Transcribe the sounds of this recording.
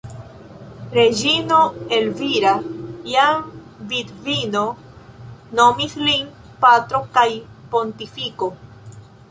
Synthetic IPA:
ɾe̞d͡ʒino̞e̞lviɾajam | vid̪vino̞ | no̞mislin | pat̪ɾo̞kajpo̞nt̪ifiko̞

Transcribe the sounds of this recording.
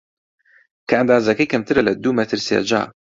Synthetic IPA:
kʰɐand̪aːzɐkɐjkʰɐmt̪ʰɨɾɐlɐd̪umɐt̪ʰɨɾsḛd͡ʒa̰ː

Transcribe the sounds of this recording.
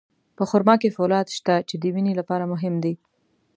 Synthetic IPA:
pəxʊɾmɑkefalɑd̪ʃt̪at͡ʃed̪əwinelapɑɾamʊɦɪmd̪i

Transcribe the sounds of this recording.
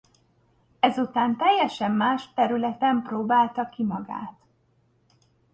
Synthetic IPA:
ɛzut̪aːnt̪ɛjːɛʃɛmːaːʃt̪ɛɾylɛt̪ɛmproːbaːlt̪ɒkːimɒɡa̰ːt̪

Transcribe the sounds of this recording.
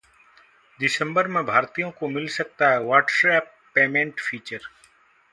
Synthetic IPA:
ɖɪsə̃mbəɾmẽbʱaːɾt̪ijõkomɪlsɐk̚t̪aɦɛʋaːʈsɛːpːeːmẽːɳʈfʰiːt͡ʃəɾ

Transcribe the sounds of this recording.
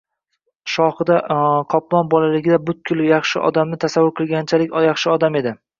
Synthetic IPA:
ʃɒhɨd̪aqʰɒplˠɒnbɒlalɪɡʲɪd̪abʊt̪̚kʲʰʊlˠjɑχʃɪʔɒ̰d̪amnɪt̪ʰasavʊɾqʰɨlˠɡʲant͡ʃʰalɪkʲjɑχʃɪɒd̪ame̞d̪ɪ

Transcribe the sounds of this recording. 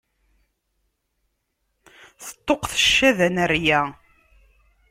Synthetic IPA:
θə̥t̪ˤːoqθə̥ʃːæðænərjæ

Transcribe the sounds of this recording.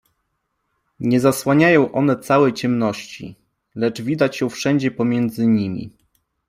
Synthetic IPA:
ɲɛzaswaɲajɔ̃w̃ʔɔn̪ɛt̪sawɛjt͡ɕɛmnɔɕt͡ɕḭ | lɛd͡ʐvʲid̪at͡ɕjɛ̃w̃fʂɛɲd͡ʑɛpɔmʲjɛnd̪zɘɲimʲḭ

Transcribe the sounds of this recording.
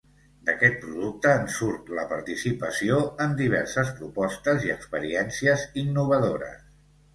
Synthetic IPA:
d̪əkɛt̪̚pɾuðuk̚t̪əːnsuɾt̪ləpəɾt̪isipəsioəmd̪iβ̞ɛɾsəspɾupɔst̪əziəkspəɾiɛnsiəzinːuβ̞əðoɾə̰s

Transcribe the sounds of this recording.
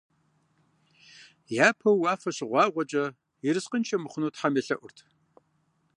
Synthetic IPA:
jaːpʰɐwːaːfɐɕɪʁʷɑːʁʷɔt͡ʃʼɐ | ɪɾɨsqənt͡ʃʰʼɐmɨχʷʊnuːtħameɬɐʔʷʊrtʰ

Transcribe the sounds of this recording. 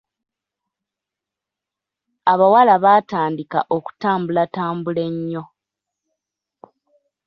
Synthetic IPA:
aβawalaβaːtaːndika̰ʔo̞ku̥taːmbulataːmbule̞ɲːo̞

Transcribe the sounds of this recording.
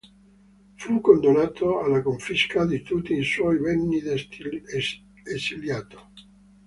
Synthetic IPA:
fukːond̪onaːt̪oalːakoɱfiskad̪it̪ut̪ːiːswɔjvɛnːi | esiljaːt̪o̥

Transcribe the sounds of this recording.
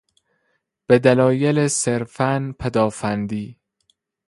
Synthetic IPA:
b̥ed̪ælɒːjeleseɾfænpʰæd̪ɒːfænd̪iː

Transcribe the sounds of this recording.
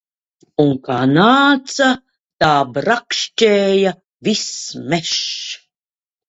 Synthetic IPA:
unkaːnaːt̪sa | t̪aːbɾakʃt͡ʃeːja | vismɛʃ

